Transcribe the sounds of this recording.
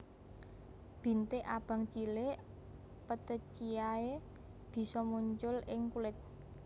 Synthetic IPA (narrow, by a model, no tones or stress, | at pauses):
b̥i̤nt̪eʔab̥ä̤ŋt͡ʃileʔ | pət̪ət͡ʃiae | b̥i̤sɔmuɲt͡ʃʊlɪŋkulɪt̪̚